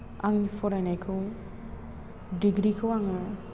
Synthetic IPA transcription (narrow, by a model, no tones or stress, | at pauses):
a̰ŋifʰɔɾajnajkʰɯw | diɡɾikʰɯwaŋɯ